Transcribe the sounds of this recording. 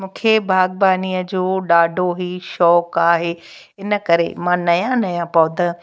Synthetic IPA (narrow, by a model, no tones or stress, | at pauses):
mũːkʰebʱaːɡ̚baːniːəd͡ʑoːɗaːɖʱoɦiːʃɔːkaːɦeː | ɪnə̆kɐɾḛmãːnɐjãnɐjãpɐʋʊ̃d̪ɐ